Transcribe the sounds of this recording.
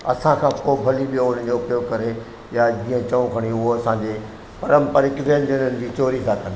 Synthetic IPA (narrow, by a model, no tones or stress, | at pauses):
ɐ̰sãkʰãːpoːbʱɐliɓijoʊn̤ən̆d͡ʑoʊpjoɡkɐɾe | jad͡ʑĩːə̃t͡ɕɐʋũkʰɐɽ̃iʊɦoɐsãɲd͡ʑeː | pɐɾə̃mpəɾɪkzẽːnd͡ʑənənɪ̆d͡ʑiːt͡ɕoːɾikʰãːkɐ̃nd̪